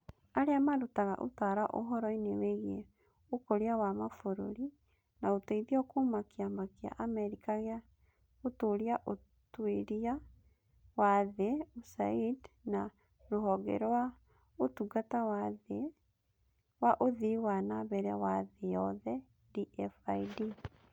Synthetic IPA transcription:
aɾeamaɾotaɣa̰ʔo̰taɾaʔo̰ɦɔɾɔineweɣe | okoɾiawamafoɾoɾi | naotaiðiɔkomakiamakia̰ʔamɛɾikaɣea | otoɾiaʔo | tweɾia | waðeusa̰idna | ɾoɦɔɡɛ̰ɾɔwa | otuɡatawaðe | waʔoðiwanaβɛɾɛwaðejɔðɛ | diɛfaidi

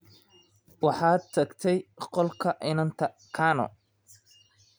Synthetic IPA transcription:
wɑħɑːt̪ʰɐɡt̪ʰɛjqɔlkʰɐʔɪnɐnt̪ʰɐ | kʰaːnɔ̰

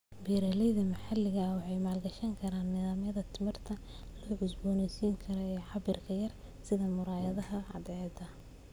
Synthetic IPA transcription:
biːɾɛlɛjðɐmɐħalːɪɣɐwɑħɑjmaːlɡɐʃɐŋkʰɐɾaːnːɪðaːmjɐðɐt̪ʰɪmɪrt̪ʰɐlɔːʕʊsbɔːnɛjsiːŋkʰɐɾɔɛːħɑbɪrkʰɐjɐrsɪðɐmʊɾaːjɐðɐɦɐʕɑd̪ɛɐd̪ɐ

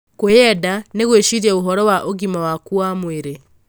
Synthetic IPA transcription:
kojɛdaneɣweʃiɾiaoɦɔɾɔwaʔoɣimawakuamweɾe

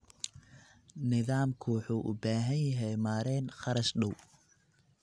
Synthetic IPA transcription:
nɪðaːmkʰʊwʊħuːʔʊ̰baːɦɐnjɐɦɛjmaːɾɛːnχɑɾɐʃɖɐw

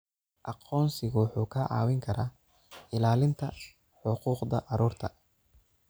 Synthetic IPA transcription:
ʔɑqɔːnsɪɣʊwħuːkʰɐʕɑ̰ːwɪŋkʰɐɾaː | ɪlaːlɪnt̪ʰɐ | ħʊquːqd̪ɐ̰ʔɑɾuːrt̪ʰɐ

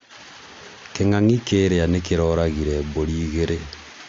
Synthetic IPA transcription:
keŋaŋikeːɾeanekeɾɔɾaɣiɾɛboɾiːɣeɾe

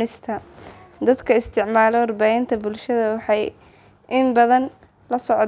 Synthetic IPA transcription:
ɪst̪ʰɐd̪ɐd̪kʰɐɪst̪ʰɪʕmaːlɔwɑrbaːhɪnt̪ʰɐbʊlʃɐðɐwɑħɑj | ʔɪmbɐðɐn | lɐsɔʕ

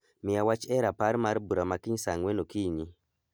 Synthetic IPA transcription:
mɪawat͡ʃɛɾapaɾmaɾbuɾamakiɲsaŋwenokiɲi

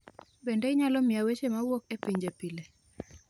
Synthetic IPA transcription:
bendeɪɲalɔmiawet͡ʃemawokepiɲd͡ʒepile

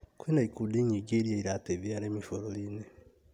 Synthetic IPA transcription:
kuinaikudiːɲiɡiɾjeiɾateβjaːɾeːmifoɾoline

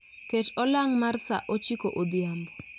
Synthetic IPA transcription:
ket͡ʃɔlaŋmarsa̰ʔot͡ʃikoʔod̪jambɔ

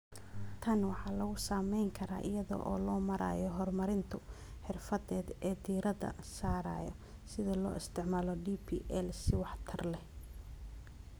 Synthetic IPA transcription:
t̪ʰɐnwɑħɑːlɐɣʊsaːmɛjŋkʰɐɾa̰ːʔɪjɐðɔ̰ʔɔ̰ːlɔːmɐɾa̰ːjɔɦɔrmɐɾɪnt̪ʰʊ | ħɪrfɐðɛːd̪ɛːd̪iːɾɐðɐ̰saːɾa̰ːjɔ̰ | sɪðɐlɔ̰ːʔɪst̪ʰɪʕmaːlɔɖipʰiʔɛlsɪwɑħt̪ʰɐrlɛ

